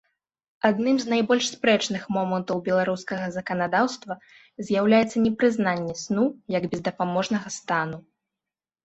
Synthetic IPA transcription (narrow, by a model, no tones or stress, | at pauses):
ad̪nɨmznajbɔlʲʂspɾɛt͡ʂnɨxmɔmɐnt̪ɐwbʲɛlˠaɾuskɐɣɐzɐkɐnad̪awst̪vɐ | zʲjawlʲajɛt̪sːɐnʲɛpɾɨznanʲːɛsnujɐɡbʲɛzd̪ɐpamɔʐnɐɣɐst̪anu